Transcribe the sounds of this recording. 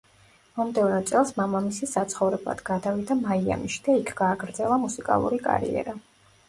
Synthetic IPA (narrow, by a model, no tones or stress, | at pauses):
mɔmd̪ɛvnɔt̪sʼɛlˠsmamamisisat̪sʰχɔvɾɛblˠa̰d̪ɡad̪avid̪amaia̰miʃi̥d̪aikʰɡ̥aːɡɾd̪zɛlˠamusikʼa̰lˠṵɾikʼa̰ɾḭɛ̰ɾa